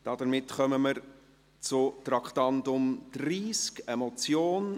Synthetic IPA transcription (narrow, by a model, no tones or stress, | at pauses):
d̥ɑd̥əɾmɪtχœməməɾ | t͡sʊtɾɑkχtɑndʊmd̥ɾiːskemɔt͡sjoːn